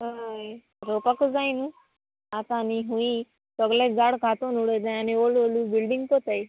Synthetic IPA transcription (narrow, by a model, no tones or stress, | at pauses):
ɦəj | ɾopakəd͡zajnu | at̪ãːniɦũĩ | səɡlẽd͡zaɽkat̪onuɽet̪naaniololubilɖiŋɡ̚kɔt̪aj